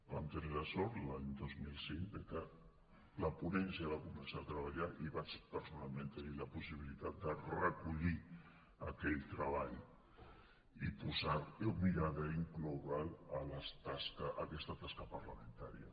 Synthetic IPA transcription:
bamt̪əneləsɔɾt̪laɲd̪ozmilˠsiŋd̪əkə | ləpunɛnsiəβakumənsaət̪ɾəβ̞aʎaʔiβat͡ʃpəɾsunalˠmẽnt̪əniləpusiβilit̪at̪̚d̪ərəkuʎi | əkɛʎt̪ɾəβaʎ | ipuzaɾumiɾaðəiŋkluβalələt̪askəʔəkɛst̪ət̪askəpəɾləmə̃nt̪aɾḭə

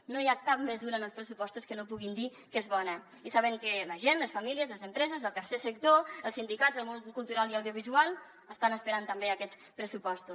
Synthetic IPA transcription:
nojakap̚məzuɾəːnəlˠspɾəsupɔst̪uskənopuɣind̪i | kezβɔnə | isaβ̞əŋkələʒenləsfamiliəzləzəmpɾɛzəzəlˠt̪əɾsesək̚t̪oəlˠsind̪ikazəlˠmonkulˠt̪uɾalˠiawðjuβ̞izualˠ | əst̪anəspəɾant̪əmbeəkɛt͡s | pɾəsupɔst̪us

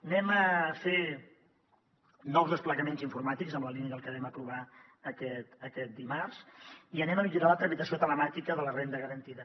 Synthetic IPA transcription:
nɛməfe | nɔwzðəspləɣəmenziɱfuɾmat̪ikzəmləliniəðəlˠkəβɛməpɾuβa | əkɛt̪əkɛt̪̚d̪imarziənɛməmiʎuɾalət̪ɾəmit̪əsiot̪ələmat̪ikəðələrend̪əɣəɾənt̪iðə

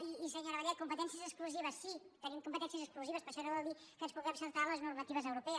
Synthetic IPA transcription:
iisəɲoɾəβəʎɛt̪̚kumpət̪ɛnsiəzəkskluziβəsːit̪ənimkumpət̪ɛnsiəzəkskluziβəspəɾʃɔnəβɔlˠd̪i | kənspuɣɛmsəlˠt̪aləznurmət̪iβ̞əzəwɾupɛəs

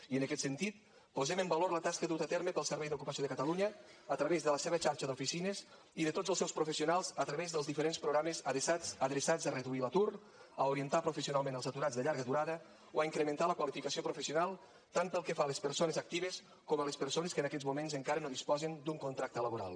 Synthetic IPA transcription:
iənəkɛt̪sənt̪it̪̚ | puzɛməmbəloɾlət̪askəðut̪ət̪ɛɾməpəlˠsəɾβɛjðukupəsioðəkət̪əluɲəːt̪ɾəβezðələseβət͡ʃaɾʃəðufisinəz | iðət̪od͡zəlˠsɛwspɾufəsiunalˠzət̪ɾəβezðəlˠzðifəɾenspɾuɣɾaməzəðsat͡səðɾəsad͡zərəðuilət̪uɾ | əuɾiənt̪apɾufəsiunalˠmẽnəlˠsət̪uɾazðəʎaɾɣəðuɾaðə | oaiŋkɾəmə̃nt̪aləkwalifikəsiopɾufəsiunalˠ | t̪ampəlˠkəfaləspəɾsonəzak̚t̪iβəs | koməlespəɾsoneskənəkɛd͡zmumenzəŋkaɾənoðispɔzənd̪uŋkunt̪ɾak̚t̪ələβuɾa̰lˠ

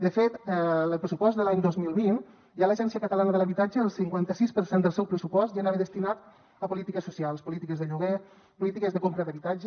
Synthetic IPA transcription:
d̪əfet̪ələlˠpɾəsupɔsd̪əlaɲd̪ɔzmilˠβin | ʒaləʒɛnsiəkət̪əlanəðələβit̪ad͡ʒəəlˠsiŋkwant̪əsispəɾsend̪əlˠsɛwpɾəsupɔst̪ʒanaβəðəst̪inat̪ | əpulit̪ikəsusialˠspulit̪ikəzðəʎuɣ̞e | pulit̪ikəzðəkompɾəðəβit̪ad͡ʒə

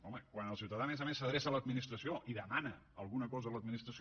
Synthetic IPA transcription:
ɔməkwanəlˠsiwt̪əðamezəmesːəðɾesələd̪minist̪ɾəsioʔiðəmanə | əlˠɣunəkɔzələd̪minist̪ɾəs

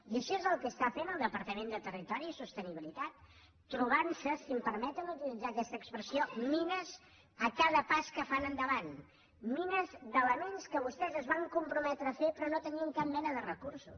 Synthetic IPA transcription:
iəʃɔezəlˠkəst̪afenəlˠd̪əpəɾt̪əmend̪ət̪ərit̪ɔɾisust̪əniβilit̪at̪ː | ɾuβ̞ansəsimpəɾmɛt̪ənut̪ilid͡zakɛst̪əːkspɾəsiominəz | əkaðəpaskəfanənd̪əβan | minəzðələnenskəβust̪ɛzəzβaŋkumpɾumɛt̪ɾəːfepɾɔnot̪əniəŋkap̚mɛnəðərəkuɾsṵs

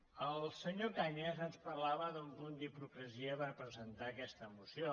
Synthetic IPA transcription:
əlˠsəɲokajnɛzənspəɾlaβəðumpund̪ipukɾəziəpəɾpɾəzənt̪akɛst̪əmusio

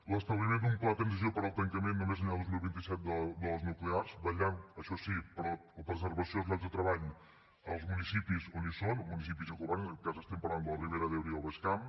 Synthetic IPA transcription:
ləst̪əβlimẽnd̪umplaðət̪ɾənzizijopəɾɔəlˠt̪əŋkəmenːumezənaðozmilˠβint̪isɛt̪̚d̪əd̪əlˠznuklearzbəʎanəʃɔsipɾɔləpɾəzəɾβəsiolˠzlazðət̪ɾəβaʎ | əlˠzmunisipizonisonmunis̬ipizəkuβankazəst̪ɛmpəɾland̪ələriβeɾəðewɾiəlˠβəskam

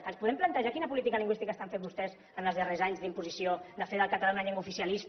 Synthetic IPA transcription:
kənspuðɛmplənt̪əʒakinəpulit̪̬ikəliŋɡwist̪ikəst̪aɱfet̪bust̪ɛz | ənəlˠzðərezaɲzðimpuzisiod̪əfeðəlˠkət̪alanaʎeŋɡwufisiəliz

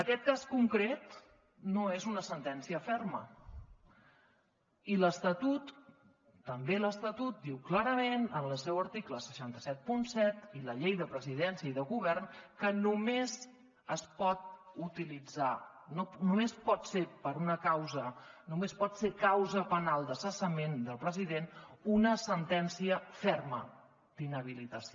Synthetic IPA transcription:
əkɛt̪̚kaskuŋkɾet̪ | noezunəsənt̪ɛnsiəfɛrmə̰ | iləst̪ət̪ut̪ː | əmbeləst̪ət̪ut̪̚d̪iwklaɾəmenənləsɛwəɾt̪ikləsə̥ʃant̪əsɛt̪̚punsɛt̪iləʎejðəpɾəziðɛnsiəiðəɣuβɛrnkənumez | əspɔt̪̚ut̪ilid͡za | nonumespɔt̪sepəɾunəkawzənumespɔt̪sekawzəpənalˠd̪əsəsəmend̪əlˠpɾəziðenunəsənt̪ɛnsiəfɛrmə | d̪̥inəβ̞ilit̪əsi

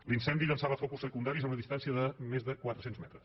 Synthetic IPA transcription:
linsɛnd̪iʎənsaβəfɔkusːəkund̪aɾizəunəðist̪ansiəðəmezðəkwat̪ɾəsenzmɛt̪ɾəs

